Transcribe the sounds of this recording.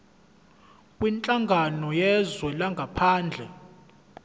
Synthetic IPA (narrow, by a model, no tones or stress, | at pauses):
kʼwint͡ɬʼaŋɡʱanɔjɛzwɛlaŋɡʱapʰaːnd͡ɮʱɛ